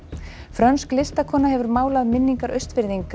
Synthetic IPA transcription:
fɾœnsklɪst̪akʰɔːnaɦɛvʏɾmaːwlaðmɪnːiŋkaɾʔœɥst̪vɪɾðiŋka

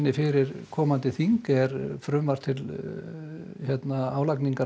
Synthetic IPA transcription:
nːɪfɪɾɪɾ̥kʰɔːmant̪ɪθiŋkɛɾfɾʏmvar̥t̪ʰɪl | çjɛt̪naaːwlakniŋka

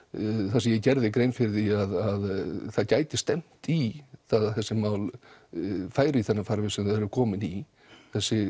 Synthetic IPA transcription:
θas̬ɪjɛcɛɾðɪkɾejnfɪɾθiaðaðθaðcaːjt̪ɪst̪ɛm̥t̪iθaðθɛsːɪmaːwl | faːjɾɪiθɛnːafaɾvɪsɛmðɪðhɛɾvʏkʰɔːmɪni | θɛsːɪ

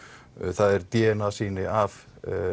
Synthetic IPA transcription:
θaðɛɾt̪jɛːnasiːnɪav

